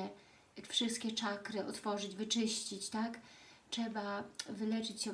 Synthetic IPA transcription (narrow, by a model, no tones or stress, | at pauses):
ɛ | fʂɘst̪̚kʲɛt͡ʂakɾɘʔɔt̪fɔʐɘd͡ʑvɘt͡ʂɘɕt͡ɕit͡ɕt̪ak | tɛbavɘlɛt͡ʂɘt͡ɕɕɛ